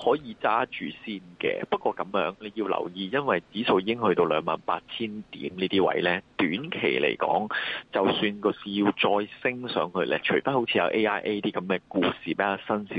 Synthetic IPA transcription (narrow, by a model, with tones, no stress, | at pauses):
hɔː˨˥jiː˨˧t͡saː˥t͡ʃyː˨siː˥nkɛ̰ː˧pɐ˥t̚kʷɔː˧kɐ˨˥mjœ̰ː˨˥ŋle˨˧jiː˧wlɐ̰˨˩wjiː˧jɐ˥nwɐ˨jt͡siː˨˥so˨wjiː˧˥ɪ˥ŋhɵ˧ɥt̪o˧wlœː˨˧ŋmaː˨˩npaː˧t̚t͡sʰiː˥nt̪ḭː˨˥mniː˥t̪iː˥wɐ̰˨˧˥jlɛ˥t̪yː˨˥nkʰe˨˩jlḛ˨˩jkɔ̰ː˨˥ŋt͡sɐ˨wsyː˧nkɔː˧siː˨˧ji˧wt͡sɔː˧jsɪ˥ŋsœː˨˥ŋhɵ˧lɛ̰ː˧t͡ʃʰɵ˨˩fɐ˥n̚ho˨˥t͡sʰiː˧jɐ̰˨˧wʔe˥ʔaː˥jʔe˥jt̪iː˥kɐ˨˦mɛː˧kuː˧siː˨pe˨˥kaː˧sɐ˥nsi˨˥